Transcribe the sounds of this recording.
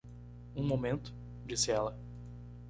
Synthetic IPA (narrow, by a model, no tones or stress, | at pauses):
ũmomẽnt̪ʊ̥ | d͡ʒisɪɛlɐ